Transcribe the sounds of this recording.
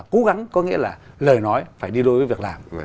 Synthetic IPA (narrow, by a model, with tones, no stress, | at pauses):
ko˨˦ɣa˨˦ŋkɔ˨˦ŋḭ˧˥əlaː˨˩ləː˨˩jnɔ˨˦jfaː˧˩jɗi˧ɗo˧jvəː˨˦jvi˨˩ək̚laː˨˩m